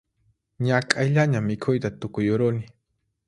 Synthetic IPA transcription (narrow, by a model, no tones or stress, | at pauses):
ɲakʼajʎaɲamɪkʰʊjt̪at̪ʊkʊjʊɾʊnɪ